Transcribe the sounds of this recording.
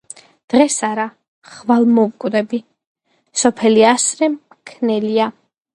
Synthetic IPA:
d̪̥ʁɛsaɾa | χvalˠmɔvkʼwd̪ɛbi | sɔpʰɛliasɾɛm | kʰnɛlia

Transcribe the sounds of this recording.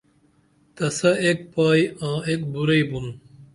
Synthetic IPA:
t̪ɐsɐek̚paːjãːekbuɾɐibun

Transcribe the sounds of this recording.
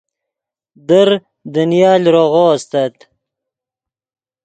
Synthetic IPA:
d̪əɾ | d̪ənjɑːlʲɾoʁost̪at̪

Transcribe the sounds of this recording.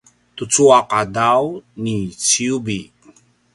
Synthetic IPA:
t̪ut͡suaqadawnit͡siubi

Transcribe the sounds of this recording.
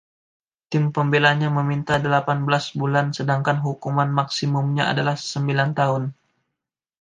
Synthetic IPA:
t̪ɪmpəmbelaɲaməmint̪adəlapanbəlasbulansədaŋkanɦukumanmaksimʊmɲaa̰dalahsəmbilant̪aɦʊn

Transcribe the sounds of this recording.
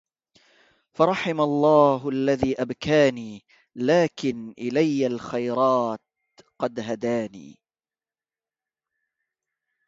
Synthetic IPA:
fɑɾˤɑħɪmalˤːɑːɦʔalːaðiːʔabkaːniː | laːkɪnʔɪlajːalxajɾˤɑːt̪ | qɑd̪ɦad̪aːnḭː

